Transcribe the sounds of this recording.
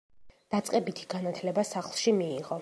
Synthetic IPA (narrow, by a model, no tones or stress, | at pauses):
d̪̥at̪sʼqʼɛbit̪ʰi̥ɡ̥anat̪ʰlɛbasaχlˠʃimiːʁɔ